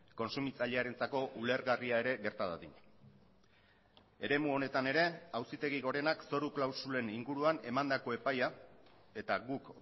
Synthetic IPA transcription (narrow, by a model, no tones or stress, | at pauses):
ko̞nsumit͡saʎeaɾe̞nt͡sako̞ʔule̞ɾɣariae̞ɾe̞ɣe̞ɾt̪aðaðin | e̞ɾe̞muo̞ne̞t̪ane̞ɾe̞awsit̪e̞ɣiɣo̞ɾe̞nakso̞ɾuklawsule̞niŋɡuɾuane̞mand̪ako̞e̞paja | e̞t̪aɣuk